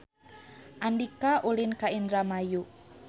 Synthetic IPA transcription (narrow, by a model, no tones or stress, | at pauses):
ʔandikaʔulinkaind̪ɾamaju